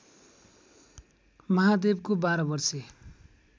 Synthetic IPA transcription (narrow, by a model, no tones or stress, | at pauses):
mʌɦad̪ebkobaɾʌbʌrse